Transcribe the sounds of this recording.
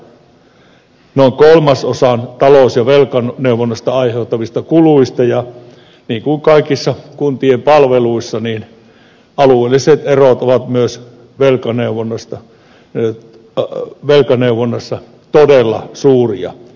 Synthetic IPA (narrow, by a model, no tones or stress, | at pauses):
noˑiŋkolmɑsosɑnt̪ɑloˑsjɑʋelkɑnneuʋonːost̪ɑɑiheut̪ːɑʋist̪ɑkuluist̪ɑjɑ | niːŋkuiŋkɑikisːɑkunt̪iempɑlʋeluisːɑniːn | ɑlueˑlːiset̪erot̪oʋɑt̪myøs | ʋelkɑneuʋonːɑst̪ɑ | ʋelkɑneuʋonːɑsːɑ | t̪odelːɑ̰suːriɑ̰